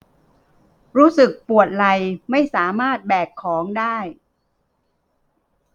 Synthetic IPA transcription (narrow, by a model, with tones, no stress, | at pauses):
ɾuː˦˥sɯ˨˩k̚pu˨˩ət̪̚la˧jma˥˩jsaː˩˦maː˥˩t̪̚bɛː˨˩kʰːɔː˩˦ŋdaː˥˩j